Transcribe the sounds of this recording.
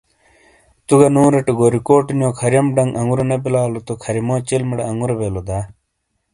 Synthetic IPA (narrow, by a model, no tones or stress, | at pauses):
t̪uɡɐnuːɾeʈeɡoːɾikoːʈnjõːkʰɐɾjɐmɖɐŋʔɐŋɡuɾenebilaːlot̪okʰɐɾimoːt͡ɕilmiɽeɐŋɡuɾebelod̪aː